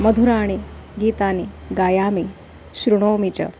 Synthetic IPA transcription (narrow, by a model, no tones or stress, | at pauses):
məd̪ʱuɾaːɽ̃iɡiːt̪aniɡaːjaːmi | ɕɾuɽ̃oːmit͡ɕə̰